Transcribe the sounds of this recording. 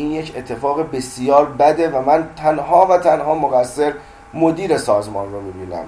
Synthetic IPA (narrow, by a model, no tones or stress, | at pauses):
iːnjecʰe̞t̪ʰːe̞fɒːɣebesijɒːɾbæd̪evæmænt̪ʰænɦɒːvæt̪ʰænɦɒːmoɣæsːe̞ɾ | mod̪iːɾe̞sɒːzmɒːnromiːbiːnæ̰m